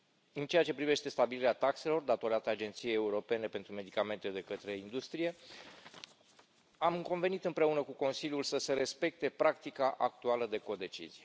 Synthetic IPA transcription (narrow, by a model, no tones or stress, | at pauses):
ɨnt͡ʃe̞jat͡ʃe̞pɾive̞ʃt̪e̞st̪abiliɾeat̪akse̞lo̞rd̪at̪o̞ɾat̪əad͡ʒe̞nt̪sijeje̞uɾo̞pe̞ne̞pe̞nt̪ɾume̞d̪ikame̞nt̪e̞d̪e̞kət̪ɾe̞ind̪ust̪ɾije̞ | amko̞nve̞nit̪ɨmpɾe̞unəkuko̞nsilʲjulsəse̞ɾe̞spe̞k̚t̪e̞pɾakt̪ikaʔakt̪ualəd̪e̞ko̞d̪e̞t͡ʃḭzije